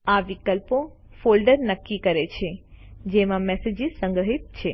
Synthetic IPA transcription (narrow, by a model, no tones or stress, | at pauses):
aʋikəlpo | folɖəɾnəkːikəɾet͡ʃʰed͡ʒemãmɛsed͡ʒisə̃ŋɡɾəɦit̪̚t͡ʃʰe